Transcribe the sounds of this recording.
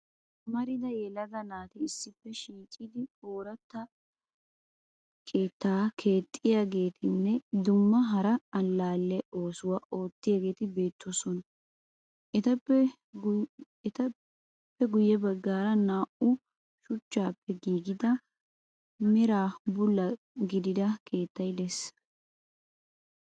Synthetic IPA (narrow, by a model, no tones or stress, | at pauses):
mɐɾɪd̪ɐjɛlɐɡ̪ɐnaːt̪ɪɪsːɪpːɛʃiːt͡ʃʼːɪd̪ɪoːɾɐt̪ːɐ | kʰeːt̪ːaːkʰe̞ːt̪ʼːɪjaːɡe̞ːt̪ʰɪnːɛd̪ʊmːɐɦɐɾɐɐlːaːlːɛʔo̞ːsʊwaʔo̞ːt̪ːɪjaːɡe̞ːt̪ɪbe̞ːt̪ʰːɔsɔn | ʔɛt̪ɐpː | ɛt̪ɐ | pːɛɡʊjːɛbɐɡːaːɾɐnaːʔʊ | ʃʊt͡ʃːaːpːɛɡiːɡɪd̪ɐ | mɛɾaːbʊlːɐ | ɡɪd̪ɪd̪ɐkʰe̞ːt̪ːɐjd̪ɛs